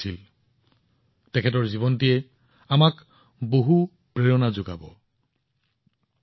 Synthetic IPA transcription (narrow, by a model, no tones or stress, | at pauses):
il | tɛkʰɛtɔɹzibɔntiɛ | amak | boɦu | pɹeɹɔnazoɡa̰bɔ